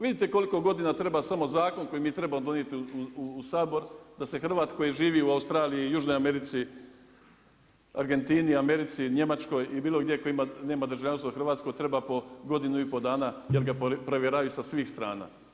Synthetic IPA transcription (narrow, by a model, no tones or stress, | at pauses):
ʋid̪it̪eko̞liko̞ɡo̞d̪inat̪ɾe̞basamo̞zaːko̞nko̞jimiːt̪ɾe̞bamod̪o̞njet̪iuuuːsaːbo̞ɾd̪ase̞xr̩ʋaːt̪ko̞jiʒiːʋiːuaust̪ɾaːlijijuːʒno̞jame̞ɾit̪si | aɾɡe̞nt̪iːniame̞ɾit̪siɲe̞mat͡ʃko̞jibiːlˠo̞ɡd̪je̞koimane̞ːmad̪ɾ̩rʒaʋʎʲanst̪ʋoxrɾʋaːt̪sko̞t̪ɾe̞bapo̞ɡo̞d̪inuipo̞d̪aːnaje̞ɾɡapɾeʋjeɾajusasʋiːxst̪ɾa̰ːna̰ː